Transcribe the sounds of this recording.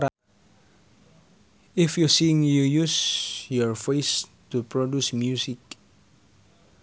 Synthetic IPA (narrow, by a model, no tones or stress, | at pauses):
a | ɪfjusiŋjujusjɔɹfestupɾodusmjusɪk